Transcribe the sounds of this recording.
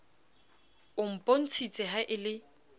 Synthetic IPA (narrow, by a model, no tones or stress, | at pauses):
ʊm̩pʼon̩t͡sʰit͡sʼɪɦaʔɪlɪ